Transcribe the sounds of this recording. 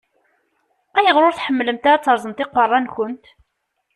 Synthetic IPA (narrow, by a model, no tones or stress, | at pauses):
æjəʁɾʊɾθħəmːləmt̪aɾat͡sːəɾˤzˤəmt̪ɪqːərˤːɑnkʊnt̪